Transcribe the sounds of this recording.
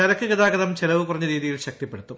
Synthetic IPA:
ɐɾɐkːɨkiðaːɡɐðɐmt͡ɕelɐʋɨkurɐɲːɐɾiːðijilɕɐk̚t̪ipːeɽut̪ːum

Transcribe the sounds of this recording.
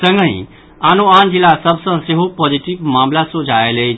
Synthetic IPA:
sə̃ŋɡəḭ̃ | anoand͡ʒilːasəbʱsə̃seɦopɔd͡ʒiʈibmamlasod͡ʒaelɛt͡ʃʰ

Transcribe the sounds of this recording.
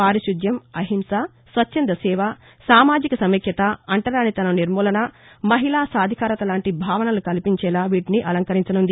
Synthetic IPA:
paːɾiʃud̪jɐmɐɦimsa | sʋɐt͡ʃːt͡ʃːɐnd̪ɐsɛːʋɐ | saːmaːd͡ʒikɐsɐmikʰjɐt̪ɐɐɳʈɐɾaːnit̪ɐnɐniɾmuːlɐnɐmɐɦilaːsaːd̪ʱikaːɾɐt̪ɐlaːɳʈibʱaːʋɐnɐlukɐlipiɲt͡ʃɛːlaːʋiːʈiniʔɐlɐŋkɐɾiɲt͡ʃɐnund̪i

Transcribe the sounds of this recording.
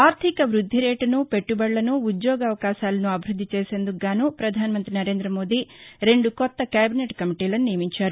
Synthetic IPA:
aːɾt̪ʰikɐʋɾud̪ʱːiɾeːʈɐnupe̞ʈːubɐɽlɐnuːd̪joːɡɐʋɐkaːʃaːlɐnuɐbʱiɾud̪ʱːit͡ʃeːse̞nd̪uɡːaːnupɾɐd̪ʱaːnɐmɐnt̪ɾinɐɾe̞ːnd̪ɾɐmo̞ːd̪iːɾe̞ɳɖukɔt̪ːɐkaːbineːʈkɐmiʈiːlɐnunijɐmiɲt͡ʃaːɾu

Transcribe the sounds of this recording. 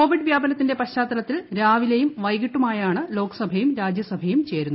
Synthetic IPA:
ko̞ːʋiɖʋjaːbɐnɐt̪ːinde̞pɐɕaːt̪ːɐlɐt̪ːilɾaːʋilejumʋɐjɣiʈːumaːjaːɳɨlo̞ːkːɐ̥sɐbʱɐjumɾaːd͡ʑjɐsɐbʱɐjumt͡ɕe̞ːɾunːu

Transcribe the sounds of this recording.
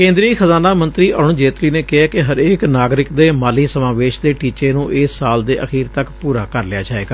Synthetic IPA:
kẽːnd̪ɾixʰəzaːnaːmə̃nt̪ɾiːʔɔːɳd͡ʒeːt̪liːneːkɪaːkɪɦəɾeːknaːɡɾɪkd̪eːmaːliːsəmaːʋeːʃd̪eːʈiːt͡ʃeːnũːʔeːsːaːld̪ḛːʔəxʰiːɾt̪əkpuːɾaːkəɾlɪja̰ːd͡ʒaːḛːɡaː

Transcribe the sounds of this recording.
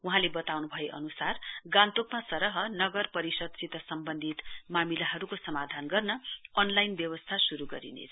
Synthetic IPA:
uɦãlebʌt̪awnubʱʌjeʔʌ̰nusarɡãnt̪okmasʌɾʌɦʌnʌɡʌrpʌɾisʌd̪̚sit̪ʌsʌmbʌnd̪ʱit̪mamilaɦʌɾukosʌmad̪ʱanɡʌrnʌʌnlajnbjʌβʌst̪ʰasuɾuɡʌɾḭnḛt͡sʰ

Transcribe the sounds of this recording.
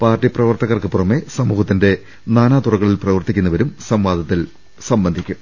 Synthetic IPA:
paːrtːiprɐʋɐrt̪ɐɣɐrkɨpurɐmesɐmuːhɐt̪ːinde̞ | naːnaːt̪urɐɣɐɭilprɐʋɐrt̪ikʲːunːɐʋɐɾumsɐmʋaːd̪ʱɐt̪ːil | sɐmbɐnd̪ʱikʲːum

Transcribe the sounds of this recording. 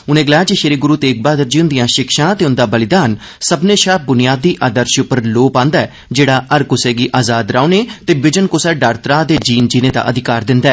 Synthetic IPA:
ʊnẽːɡəlaːjaːd͡ʒiʃeɾeːɡʊɾuːt̪eːk̚baːd̪əɾd͡ʒiːʊ̃nd̪ɪjãːʃɪkʃãːt̪eːʊ̃nd̪aːbəlɪd̪aːn | səbneːʃaːp̚bʊnɪjaːd̪iːʔaːd̪əɾʃʊpːəɾloːpãːnd̪aɛː | d͡ʒeːɽaːəɾkʊsɛːɡiːʔaːzaːd̪ɾaːoneːt̪eːbɪd͡ʒənkʊsɛːɖaːɾt̪ɾaːd̪eːd͡ʒiːnd͡ʒiːnẽːd̪a̰ːʔəd̪ɪkaːɾd̪ɪ̃nd̪aɛː

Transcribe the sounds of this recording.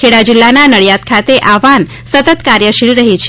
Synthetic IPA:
eɽad͡ʒɪlːananəɭjat̪kʰat̪eʔaʋan | sət̪ət̪kaɾjəʃilɾəɦit͡ʃʰ

